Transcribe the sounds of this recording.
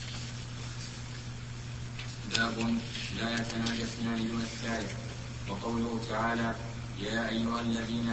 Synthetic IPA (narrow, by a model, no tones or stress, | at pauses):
baːbʊnlaːjat̪anaːd͡ʒasnaːnɪduːnasːaːʔɪf | wɑqɑwlʊhʊt̪aʕaːlaː | jaːʔajːʊhalːaðiːna